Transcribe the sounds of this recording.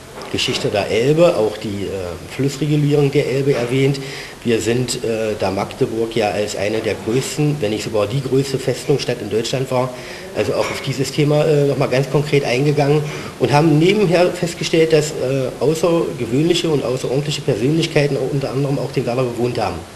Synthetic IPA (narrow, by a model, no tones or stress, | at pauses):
ɡ̥əʃɪçtədeːɐʔɛlbəʔa̰ʊxd̥iːʔɛːflʊsʁeɡuliːʁ̞ʊŋdeːɐʔɛlbəɛɐvɛːnt | viːɐzɪntʔɛːd̥aːmaktəbʊɐkjaːʔalsʔa̰ɪnədeːɐɡʁøːstn̩vɛnɪçz̥oɡaːɐdiːɡʁøːstəfɛstʊŋʃtatɪndɔʏt͡ʃlantv̥aːɐ | ʔalzoaʊxaʊfd̥iːzəstʰeːmaʔɛːnɔχmaːlɡant͡skʰɔŋkʁ̥eːtʔaɪnɡəɡaŋən | ʔʊntɦaːbm̩neːbm̩ɦeːɐfɛst̚ɡ̥əʃtɛlt̚d̥asɛːʔaʊsɐɡəvøːnlɪçəʊntʔa̰ʊsɐʔɔʁdn̩tlɪçəpʰɛɐzøːnlɪçkʰaɪtn̩aʊxʔʊntɐʔandəʁəmaʊxd̥eːmvaːdɐbəvoːnthaːbm̩